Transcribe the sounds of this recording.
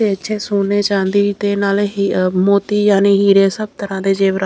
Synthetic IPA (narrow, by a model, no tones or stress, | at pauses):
eːəːʃʰeːsoːneːt͡ʃãːnd̪iːt̪eːnaːlɦmoːt̪iːjaːneːɦiːɾeːsəb̚t̪əɾãːd̪eːd͡ʒeːʋɾa